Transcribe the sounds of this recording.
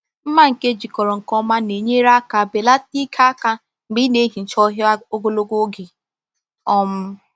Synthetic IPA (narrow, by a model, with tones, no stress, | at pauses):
m̩˦ma˦ŋ̩˨ke˦d͡ʒi˨kɔ˨ɾɔ˨ŋ̩˨kɔ˦ma˦ne˨ɲe˦ɾa˦ka˨be˨la˦ti˦kʰa˦a˦ka˦ | m̩˨ɡ͡bi˦ne˦ɦi˨n̩˨t͡ʃɔ˦ɦo˦ɡo˦lo˦ɡo˦ɡɪ˨ | ɔ˦m̩˦